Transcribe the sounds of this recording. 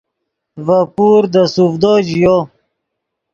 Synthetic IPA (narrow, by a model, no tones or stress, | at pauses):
vapuːɾd̪əsufd̪od͡ʑjo